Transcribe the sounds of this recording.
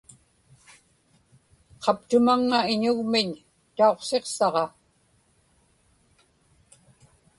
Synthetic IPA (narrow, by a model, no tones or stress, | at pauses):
qʰɑp̚t̪ʊmaŋːaɪɲʊɣmɪɲ | t̪ao̞qse̞qsɑʁɑ